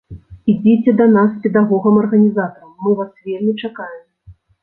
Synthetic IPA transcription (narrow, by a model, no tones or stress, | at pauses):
id͡zʲit͡sʲɛd̪ɐnasːpʲɛd̪aɣɔɣɐmɐrɣɐnʲizat̪ɐɾɐmːɨvasvʲelʲmʲit͡ʂakajɛm